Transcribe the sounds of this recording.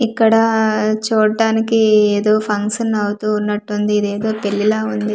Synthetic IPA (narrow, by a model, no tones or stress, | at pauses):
ikːɐɽɐt͡ʃuːɽɖaːnikieːd̪o̞ːpʰɐŋkʂɐnɐwut̪uːnːɐʈːund̪iːd̪e̞ːd̪o̞ːpe̞ɭːilɐːund̪i